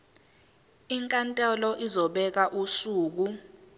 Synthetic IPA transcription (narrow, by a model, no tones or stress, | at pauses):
iŋkʼantʼɛlɔʔizɔɓɛk̬aʔusuːk̬u